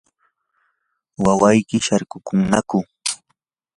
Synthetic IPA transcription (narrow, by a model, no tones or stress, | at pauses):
wawajkɪʃaɾkʊkʊŋnakʊ